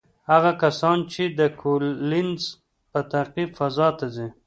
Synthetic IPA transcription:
haɣakasɑnt͡ʃed̪əkʰolɪnz | pət̪aɾqibfazɑt̪azi

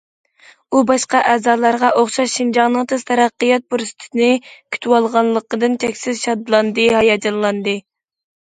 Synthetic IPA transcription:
ubɑʃqɑʔɛːzɑːlˠɑɾʁɑʔoχʃɑʃʃind͡ʒɑŋnɨŋt̪ʰɨz̥t̪ʰɛɾɑqːəjɑt̪̚buɾst̪ʰnɨkʲʰy̥t̪ʰywɑlˠʁɑnlˠəqːəd̪ɨnt͡ʃʲʰɛkʲsɪzʃɑd̪lˠɑnd̪ɨhɑjɑd͡ʒɑllˠɑnd̪ɨ

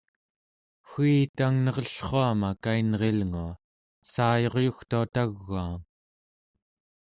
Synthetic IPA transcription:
xiːt̪aŋnʌʁʌɬχoamakainʁe̞lŋua | saːjo̞ʁjuxt̪uat̪aɣːuaːm

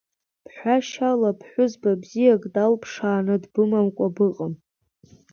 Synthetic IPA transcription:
pʰħʷaʃalapʰħʷʊzbabzijakʼdalpʰʂaːnɨdbɨmamkʷʼabɨqʼəm

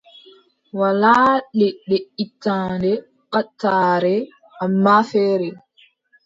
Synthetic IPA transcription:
walaːɗɛɗeʔitːaːndɛ | ɓatːaːɾɛ | ʔamːafɛːɾɛ

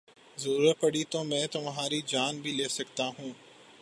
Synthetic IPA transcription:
zɐɾuːɾəpɐɽit̪omɛ̃ːt̪ʊmɦaːɾid͡ʒaːnbʱileːsɐkt̪aɦũː

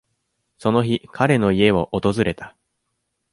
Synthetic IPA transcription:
so̞no̞çikʰaɾe̞no̞ie̞βo̞ʔot̪o̞zɨɾe̞t̪ḁ

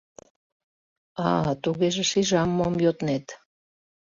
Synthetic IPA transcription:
ɑt̪uɣeʒĕʃiʒɑmːomjot̪net̪

